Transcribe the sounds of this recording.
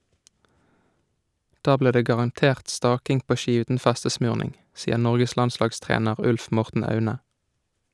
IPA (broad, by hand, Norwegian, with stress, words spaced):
ˈdɑː ˈbliːʁ ˈdeː ɡɑʁɑnˈteːʁt ˈstɑːkɪŋ ˈpoː ˈʃiː ˈʉːtn̩ ˈfɛstəˌsmʉːʁnɪŋ ˈsiːəʁ ˈnɔʁɡəs ˈlɑnˌslɑːɡˌstʁeːnəʁ ˈʉlf ˈmɔʁtn̩ ˈɑʉnə